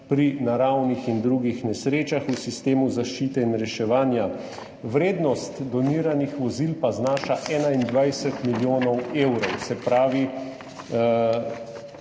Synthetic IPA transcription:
pɾinaɾawnixind̪ɾuɡixnɛsɾeːt͡ʃaxusist̪eːmuzaʃt͡ʃiːt̪ɛinɾɛʃɛʋaːnja | ʋɾeːd̪nɔst̪d̪ɔniːɾanixʋɔzilpaznaːʃaʔɛːnaind̪ʋajsɛt̪miljoːnɔwewɾɔwsɛpɾaːʋi

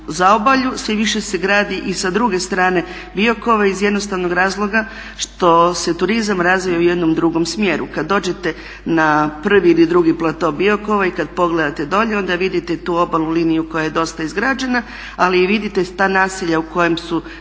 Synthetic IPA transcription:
zao̞baʎusiʋiʃe̞seɡɾaːd̪iʔisad̪ɾuɡe̞st̪ɾaːne̞ | bio̞ko̞ʋaizjed̪no̞st̪aʋno̞ɡɾaːzlˠo̞ɡa | ʃt̪o̞se̞t̪uɾizamɾazʋijaujed̪nomd̪ɾuɡo̞msmje̞ɾṵkad̪ːo̞ːd͡ʑe̞t̪e̞ | napr̩ʋiːlid̪ɾuɡiplˠat̪o̞bio̞ko̞ʋaikad̪po̞ɡle̞d̪at̪e̞d̪o̞ʎeo̞nd̪aʋid̪it̪e̞t̪uːo̞balulinijuko̞jaje̞d̪o̞st̪aizɡɾad͡ʒena | aliːʋid̪it̪e̞t̪aːnaːsiʎauko̞jemsu

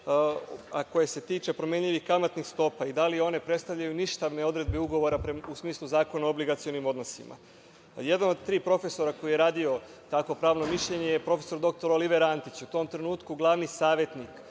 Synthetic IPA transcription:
a̰ko̞jese̞t̪iːt͡ʃe̞pɾo̞mje̞ɲʎʲiʋixkamat̪nixst̪o̞paid̪alio̞ne̞pɾe̞t̪st̪aʋʎʲajuniʃt̪aʋne̞o̞d̪ɾe̞d̪̚beuɡo̞ʋo̞ɾapɾeusmiːslˠuzaːko̞naobliɡat̪sio̞nimo̞d̪no̞sḭma̰ | je̞d̪ano̞d̪̚t̪ɾiːpɾo̞fe̞so̞ɾako̞jijeɾaːd̪io̞t̪akʋo̞pɾaːʋno̞miʃʎe̞ɲe̞jepɾo̞fe̞̥so̞ɾd̪o̞k̚t̪o̞ɾoliʋe̞ɾant̪it͡ɕut̪o̞ːmt̪ɾe̞nuːt̪kuɡlˠaʋnisaːʋjet̪nik

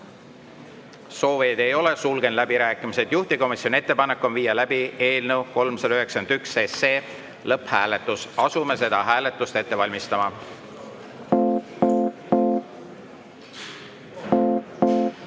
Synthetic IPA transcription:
so̞ːved̪̥e̞jo̞le̞sulɡ̥e̞nlæbiɾæːkːˑimised̪̥juht̪iko̞misio̞nie̞t̪ːe̞pɑnekːˑo̞nviːjɑlæbie̞ːlnewko̞lmselyɦe̞ksɑnd̪ykseseː | lɤpːhæːle̞t̪ːˑusɑsume̞se̞d̪̥ɑɦæːle̞t̪ːˑust̪e̞t̪ːe̞vɑlʲmist̪ɑmɑ

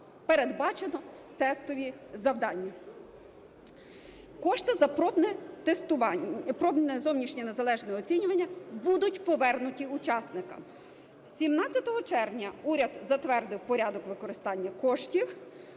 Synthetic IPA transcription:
peɾed̪bɑt͡ʃenɔ | t̪ɛst̪ɔʋʲizɐwd̪ɑnʲːi | kɔʃt̪ɪzɐɔbnɛt̪est̪ʊɑpɾɔbnɛzɔwnʲiʃnʲinezɐlˠɛʒnɔɛɔt͡sʲinʲʊʋɐnʲːɐbud̪ʊtʲpɔʋɛrnʊtʲiʊt͡ʃɑsnɪkɐ̰m | sʲimnɑt͡sʲjɐt̪ɔɦɔt͡ʃɛrʋnʲɐuɾʲɐd̪zɐt̪ʋɛrd̪ɪwpɔɾʲɑd̪ɔkʋɪkɔɾɪst̪ɑnʲːɐkɔʃtʲiw

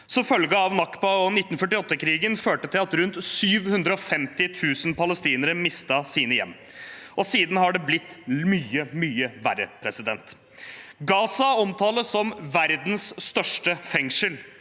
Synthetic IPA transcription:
sɔfœlɡəɑʋnɑkbɑɔnɪt̪ːnfœʈːɪɔt̪ːəkʰɾiːɡənføːʈət̪ʰɪlɑt̪ɾʉnt̪syːʋhʉnd̪ɾəɔfɛmt̪ɪt̪ʰʉːsnpʰɑləst̪iːnəɾəmɪst̪ɑsiːnəjɛ̰mː | ʔɔsiːd̪n̩hɑɖɛblɪt̪ːmyːəmyːəʋæɾə̰pʰɾɛsɪd̪ɛ̰nt̪ | ɡɑːsɑɔmt̪ʰɑːləsɔmʋæɾd̪n̩sːt̪œʂʈəfɛŋʂəl

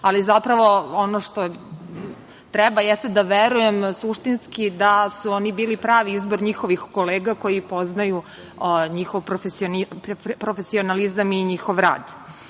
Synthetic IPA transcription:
alizapɾaʋo̞onoʂt̪o | t̪ɾɛbajɛst̪ed̪aʋeɾujemsuʃt̪inskid̪asuonibiːlipɾaːʋiizboɾɲixoʋixko̞leːɡako̞jipo̞znaju | ɲixoʋpɾofesionipɾofesionalizamiɲixo̞ʋɾa̰ːd̪

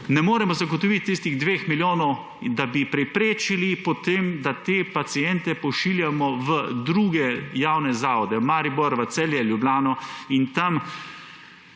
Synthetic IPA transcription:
nɛmoːɾɛmɔzaɡot̪ɔʋit̪ːist̪iɣd̪ʋeːxmiljoːnɔw | d̪abipɾɛpɾeːt͡ʃilipɔt̪eːmd̪at̪eːpat̪siɛnt̪ɛpɔʃiljamɔʋəd̪ɾuːɡɛjawnɛzaːʋɔd̪ɛmaːɾibɔɾʋɐt̪sɛljɛljublʲaːnɔint̪am

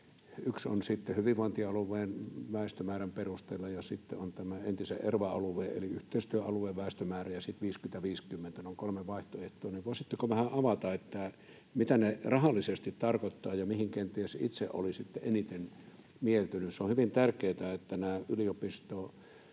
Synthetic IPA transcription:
ykso̰nsit̪ːehyʋiʋʋoˑent̪iɑɑluʋˑeːnʋæˑest̪ømæːræmperust̪eːlːɑjɑsit̪ːeont̪æmæent̪isḛʔʔerʋɑɑ̰luʋeːḛliyht̪eˑist̪yøʔɑluʋˑeːʋʋæˑest̪ømæːræjɑsit̪ʋiːskyment̪æʋiːskymːent̪ænoŋkolmeʋɑiht̪oeht̪ˑoːniʋʋoˑisit̪ːekoʋæhæʔɑʋɑt̪ɑet̪ːæ | mit̪ænerɑhɑlːˑisest̪it̪t̪ɑrkot̪ːɑːjɑmihiŋkent̪iesḭt̪sḛʔʔo̰lisit̪ːeʔenit̪en | mielt̪ynyseohyʋint̪ærkeːt̪æet̪ːænæːʔyliopist̪oː

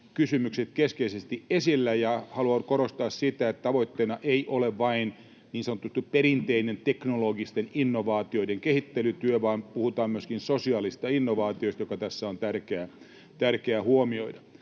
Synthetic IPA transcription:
kysymykset̪keskeisest̪iʔesilːæjɑhɑluɑnkoɾost̪ɑːssit̪æet̪t̪ɑʋoit̪ːeinɑʔeiʔoleʋʋɑin | niːnsɑnŏt̪ːut̪ːuppeɾint̪einent̪eknoloɡist̪eninːoʋɑːt̪ioideŋkehit̪ːelyt̪yøʋɑːnpuhut̪ɑːmmyøskinsosiɑːlist̪ɑinːoʋɑːt̪iost̪jokɑt̪æsːæont̪ærkeæ | t̪ærkeæhuomioidɑ

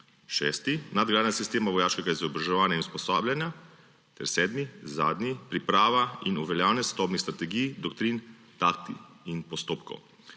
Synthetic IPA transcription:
ʃɛːst̪inad̪ɡlanasist̪eːmaʋɔjaːʃkɛɡaizɔbɾaʒɛʋaːnjainuspɔsaːbljanja | t̪ɛɾsɛːd̪miza̰ːd̪nipɾipɾaːʋainuʋɛljaːwnɛsʋɛd̪ɔːbnist̪ɾat̪ɛɡijd̪ɔkt̪ɾin | t̪ak̚t̪i | inpɔst̪oːpkɔ̰w

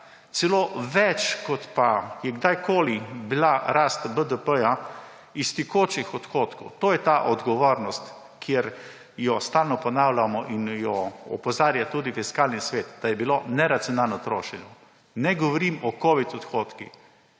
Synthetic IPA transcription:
t̪sɛloːʋɛt͡ʃkɔt̪pajɛɡd̪ajkoːlibilaɾaːst̪bəd̪əpəja | ist̪ikoːt͡ʃixɔt̪xoːt̪kɔwt̪oːjɛt̪aʔɔd̪ɡɔʋoːɾnɔst̪ | kjeɾ | jɔst̪aːlnɔpɔnawlamɔʔinjɔɔ̰pɔzaːɾjat̪uːd̪ifiskaːlnisʋeːt̪d̪̥ajɛbilonɛɾat̪sijɔnalnɔt̪ɾoːʃɛɲɔ | nɛɡɔʋɔɾiːmɔkoːʋit̪ɔt̪xoːt̪ki

